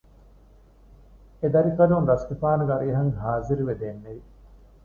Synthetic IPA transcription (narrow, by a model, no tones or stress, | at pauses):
ed̪ɐɾifɐlunɾɐskefaːnuʋɐɾiɐɦɐŋɦaːziɾuʋed̪eːnːeʋi